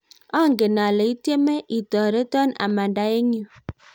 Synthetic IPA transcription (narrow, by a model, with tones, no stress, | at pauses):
ɔ˦˨ŋɡe˨na˨lɛ˨i˦tje˦mɛ˦ʔi˨tɔ˨ɾe˦tɔ˦na̰˨ma˨nda˨˦e˦ɲ˦u˦